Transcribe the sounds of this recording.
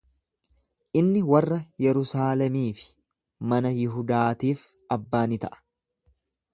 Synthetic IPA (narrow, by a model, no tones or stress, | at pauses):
ʔɪnːɪwɐrːɐjɛɾʊsaːlɛmiːfɪ̥ | mɐnɐjɪɦʊd̪aːt̪iːf | ɐbːaːnɪt̪ɐʔɐ̥